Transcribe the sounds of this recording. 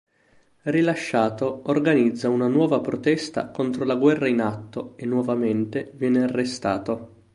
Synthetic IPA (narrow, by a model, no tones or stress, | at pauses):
rilaʃːaːt̪oorɡanid̪zːaunanwɔːvapɾot̪ɛst̪a̰kont̪ɾolaɡwɛrːainat̪ːoenːwɔvament̪evjɛːnearːest̪aːt̪o